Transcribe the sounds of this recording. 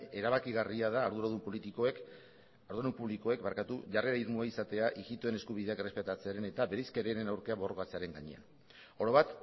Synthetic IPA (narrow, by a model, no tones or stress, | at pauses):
e̞ɾaβakiɣariaðaːɾðuɾaðumpolit̪ikoek | aɾðuɾaðumpuβliko̞e̞kbaɾkat̪uʝare̞ɾaiɾmuaisat̪e̞aʔiɣit̪uene̞skuβ̞iðe̞akre̞spe̞t̪at͡se̞aɾene̞t̪abe̞ɾejskeɾe̞ɾe̞nawɾkeaβo̞rokat͡se̞aɾe̞ŋɡaɲe̞̰a̰n | o̞ɾo̞βat̪